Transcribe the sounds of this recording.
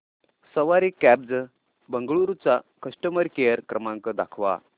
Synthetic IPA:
səʋaɾikæb̚d͡zə | bəŋɡɭuɾut͡sakəʂʈəməɾkejəɾkɾəmãŋkəd̪a̰kʰʋa̰

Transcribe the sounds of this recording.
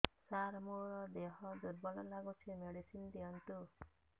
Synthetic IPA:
saɾmuɾɔd̪eɦɔd̪uɾbɔlɔlaɡut͡ʃʰimeɽisind̪iɔɳʈu

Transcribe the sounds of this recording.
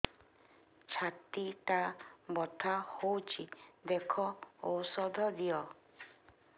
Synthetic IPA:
t͡ʃʰat̪it̪abɔt̪ʰahowt͡ʃʰid̪ekʰɔosɔd̪ʱɔd̪iɔ

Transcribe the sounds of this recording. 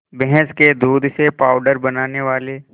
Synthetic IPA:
bɛɦɛ̃sked̪uːd̪ʱsepaːʊɖəɾbɐnaːneʋaːle

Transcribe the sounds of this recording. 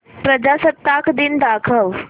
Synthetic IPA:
pɾɐd͡ʒasət̪ːakʰd̪ind̪akʰəʋ

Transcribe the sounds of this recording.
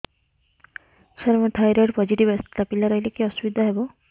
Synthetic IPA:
sɔɾmɔʈʰajɾeʈpɔd͡ʒiʈibest̪apilaɾɔɦjlekeɔsubid̪ʱaɦebɔ

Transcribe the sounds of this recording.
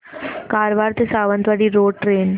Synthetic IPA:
kaːɾʋaːɾt̪esaːʋənt̪ʋaɽiɾoːɖʈɾeːn

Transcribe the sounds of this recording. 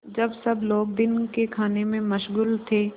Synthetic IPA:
d͡ʒɐbsɐbloːɡ̚d̪ɪnkekʰaːnemẽmɐʃɣuːlt̪ʰeː

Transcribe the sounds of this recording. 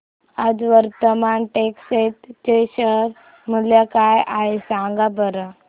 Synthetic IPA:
ad͡zʋəɾt̪əmanʈekset̪t͡ɕeɕəɾ | m̤əljakajʔaɦesaŋɡabəɾə

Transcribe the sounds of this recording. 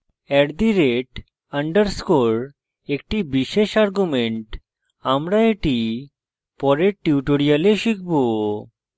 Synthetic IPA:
ɛʈd̪iɾeʈ | aɳɖəɾskoɾ | ek̚ʈibiʃeʃaɾɡumeɳʈ | amɾaeʈi | pɔɾeʈːiuʈoɾialeʃik̚ʰbo

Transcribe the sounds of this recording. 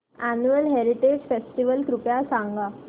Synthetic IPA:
ænuəlɦeɾiʈed͡ʑfesʈiʋəlkɾupjasãŋɡa

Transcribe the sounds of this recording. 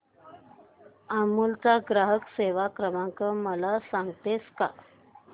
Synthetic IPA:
amuːlt͡saɡɾaɦəkseʋakɾəmãŋkəməlasaŋɡt̪eska̰

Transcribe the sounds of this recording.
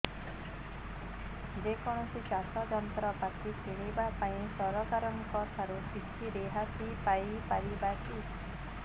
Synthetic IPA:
d͡ʒekɔɽ̃ɔsit͡ʃasɔd͡ʒɔnt̪ɾɔpat̪ʰit͡ʃʰiɽ̃ibapaĩsɔɾɔkaɾɔnkɔt̪ʰaɾukitʰiɾeɦasipajpaɾibaki

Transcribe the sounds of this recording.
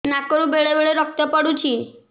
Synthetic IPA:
nakɔɾũbeɭebeɭeɾɔk̚t̪ɔpəɽũt͡ʃʰi

